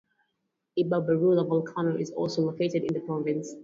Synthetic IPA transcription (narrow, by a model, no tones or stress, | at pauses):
ibabəɹuləvɔlˠkʰanəɪzɔ̰lˠsolokeɪtɨdɪ̃nðəpʰɹ̥ɔvɪ̃ns